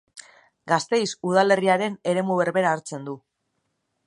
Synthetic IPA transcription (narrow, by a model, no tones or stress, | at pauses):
ɡast̪e̞jsuð̞ale̞riaɾe̞ne̞ɾe̞muβ̞e̞ɾβe̞ɾaːɾt͡se̞nd̪u